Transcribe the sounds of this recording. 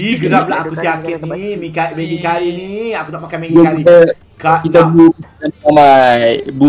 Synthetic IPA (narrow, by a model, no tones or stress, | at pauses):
iɡəɾaplaakusiakɪt̪̚nimikameɡikaliniakudaʔpakajmeɡiakalkit̪a | kakit̪abuənamajbu